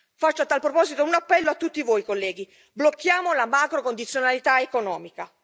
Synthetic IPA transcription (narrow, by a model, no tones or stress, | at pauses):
fat͡ʃːoat̪ːalpɾopɔːzit̪ounapːɛlːoat̪ːut̪ːivoːjkolːɛːɡi | blokːjaːmolamaːkɾokond̪it̪sːjonalit̪aekonɔːmika